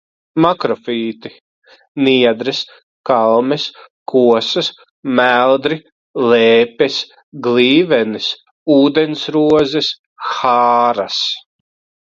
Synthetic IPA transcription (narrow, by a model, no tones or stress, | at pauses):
makɾɔfiːt̪i | niɛd̪ɾɛs | kalˠmɛskʰuɔsɐs | mælˠd̪ɾi | lɛːpɛs | ɡliːvɛnis | uːd̪ensɾuɔzɛs | xaːɾas